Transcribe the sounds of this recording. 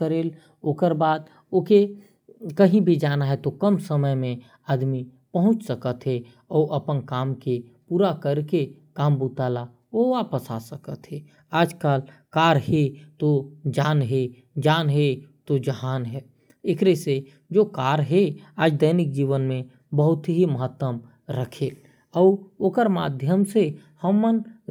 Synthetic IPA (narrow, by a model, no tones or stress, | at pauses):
əɾeːl | oːkəɾbaːd̪ | oke | kəɦĩbʱid͡ʒaːnaɦɛt̪okəmsəməjmẽ | əd̪mi | pəɦʊ̃t͡ʃsəkət̪ɦɛ | ɔːʔəpənkaːmkepuːɾakəɾkekaːmbut̪aːla | oʋaːpəsa̰səkət̪ɦɛ | aːd͡ʒkaːlkaːɾɦet̪od͡ʒaːnɦe | d͡ʒaːnɦɛt̪od͡ʒəɦaːnɦɛː | ɪkɾese | d͡ʒoːkaːɾɦɛaːd͡ʒd̪əɪnɪk̚d͡ʒiːʋənmẽ | bəɦʊt̪ɦiməɦət̪ːwəm | ɾəkʰe | ɔːɾoːkəɾma̰ːd̪ʱjəmsehəmːən